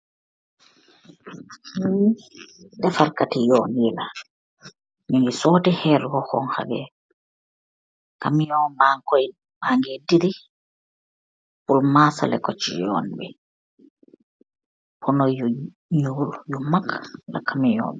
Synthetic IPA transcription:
mi | dɛfaɾkatijɔnjila | miŋɡisɔtihɛɾɡɔhɔ̰ŋha̰ɡɛ̰ | kamijɔbaŋkɔj | baŋɡɛdiɾi | pulmasa̰lɛ̰kɔt͡ʃːḭjɔ̰nbɛ̰ | pʰɔnɔju | ɲuljumakːla̰kamijɔ̰bɛ

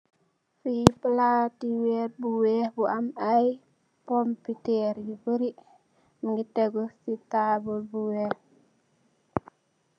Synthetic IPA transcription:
fipəlatiwɛt̚buwɛbuʔamaj | pɔmpiteɾjibəɾi | miŋɡitɛɡɔsitabulbuwɛh

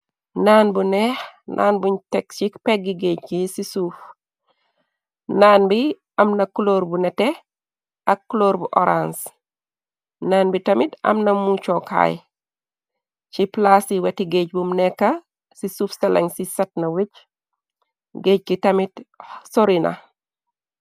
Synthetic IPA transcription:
naːnbunexnʔa̰ːnbuɲtekt͡ʃikpeɡiɡekisisuf | naːnbi | ɐmnɐkuloːɾbunete | ɐkːuloːɾbuʔoɾans | naːnbitɐmitɐ̰mnɐmut͡ʃokʰa̰j | t͡ʃiplasiwetiɡecbumnekːa | sisufsala̰ŋsisɐt̚nɐwiɟ | ɡeːc̚kitɐmitsoɾina̰

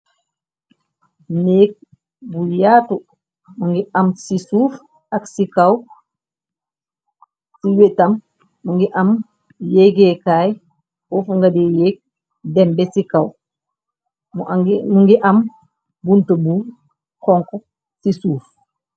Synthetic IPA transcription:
neːk̚ | bujaːtu | muŋɡiɐmsisuːf | aksikaw | siwetɐmː | uŋɡiʔɐm | jɛɡekaːj | ɔfuŋɡadejeːk̚ | dɛmbɛsikaw | muŋɡiʔɐm | buntəbu | kɔŋkɔ | sisuːf

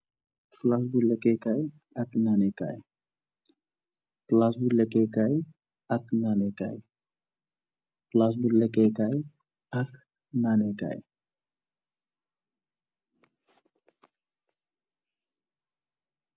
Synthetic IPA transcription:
plas̬bulekekaj | ɐknaneka̰j | plas̬bulekekaj | ɐknaːneka̰j | plas̬bulekekaj | ak | naːneka̰j

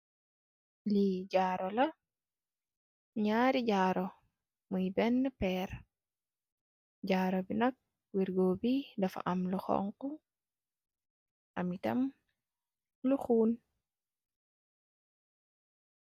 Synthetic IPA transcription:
liɟaːɾɔlɐ | ɲaɾiɟaːɾɔ | mujbɛnːɛpɛːɾ | ɟaɾɔbinɐk̚ | wiɾɡoːbidɐfa̰ʔamluxɔ̰ŋku | ʔamitɐ̰m | luxuːn

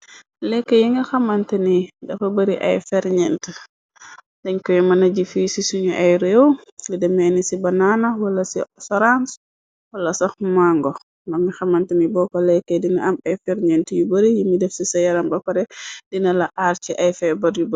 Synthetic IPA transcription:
lɛkːəjiŋɡɐxamantɐnidɐfɐbɐɾiʔɐ̰jfɛɾɲɛntə | dɛɲkɔjmɐnaɟifisisuɲuʔajɾewlidɛmɛnisibananawɐlːɐsisɐɾans | wɐlːɐsɔxmaŋɡɔ | mɐmixɐmantɐnibɔkɔlɛkːədinɐʔamɐjfɛɾɲɛntjubəɾijimidɛfsisɐjaɾɐmbɐkɐɾɛdinɐlaʔaɾt͡ʃiʔɐjfɛbɐɾjubɐ

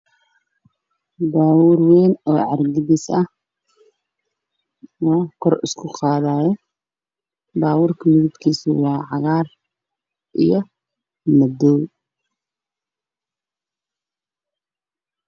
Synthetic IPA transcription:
baːwʊrwɛːnɔːʕɑrɡɪðɪsɐh | wɑːkʰɔrɪskʰʊqɑːðaːjɛ | baːwʊrkʰɐmɪðɪbkʰiːsʊwɑːʕɑɣaːr | ʔḭjɞ | mɐd̪ɔːw

